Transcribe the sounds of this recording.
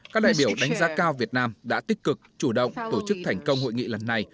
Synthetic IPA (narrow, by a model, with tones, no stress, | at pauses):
kaː˦˥k̚ɗa̰ː˧˨jɓi˧˩əwɗa˨˦jŋ̟zaː˨˦kaː˧wvi˨˩ət̚naː˧mɗa̰ː˧˥t̪ï˦˥k̟̚kɨ˨˩k̚t͡ɕu˧˩ɗə̰˧˨wŋ͡mt̪o˧˩t͡ɕɨ˦˥k̚t̪ʰɛ˨˩jŋ̟kə˧wŋ͡mho̰˧˨jŋḭ˧˨lə˨˩nːa˨˩j